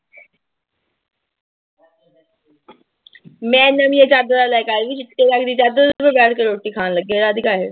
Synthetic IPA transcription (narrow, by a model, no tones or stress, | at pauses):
mɛ̃ːnɐmijet͡ʃaːd̪əɾalaːekaːɦeʋit͡ʃɪt̪kelaːkʰd̪iːt͡ʃaːd̪əbəbɛːʈʰkəɾoːʈːikʰaːnləɡeɾaːd̪ʱɪkaːɦḛ